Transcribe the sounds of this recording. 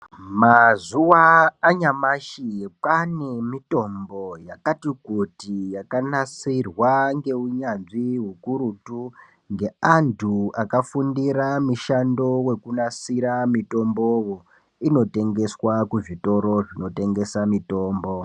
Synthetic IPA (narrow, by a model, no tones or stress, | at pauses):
mazuwaːɲamaʃipane̞mito̞mbo̞jakatikutijakanasirwaŋɡe̞uɲanʐiɦukuɾutu | ŋɡe̞antʰuakafundiɾamiʃando̞we̞kunasiɾamito̞mbo̞wo | ino̞te̞ŋɡe̞swakuʐito̞ɾo̞ʐino̞te̞ŋɡe̞samito̞ːmbo̞